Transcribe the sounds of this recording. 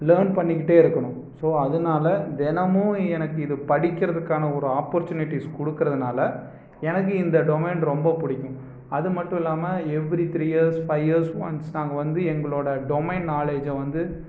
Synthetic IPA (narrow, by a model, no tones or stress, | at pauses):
leːnpɐɳːɪkːɪʈːeːɪɾɯkːɐɳʊ̃ | soːɐðɯnaːlɐd̪ɛnɐmʊ̃ɛnɐkːɯɪðɯpɐɽɪkʲːɪɾɐðɯkːaːnɐɔɾɯaːpːɔɾt͡ʃuːnɪʈːiskɔɽɯkːɯɾɐðɯnaːlɐ | ɛnɐk̬ːɯɪnd̪ɐɖɔmeːnɾɔmbɐpʊɽɪkːʊ̃ | ɐðɯmɐʈːʊ̃ɪlːaːmɐɛʋːɪɾit̪ɾiːjeːɾsfɐɪʋeːɾsmɐ̰nsnaːŋɡɐʋɐnd̪ɯɛŋɡɐɭoːɽɐɖɔmɛɪnnaːleːd͡ʒɐʋɐnd̪ɯ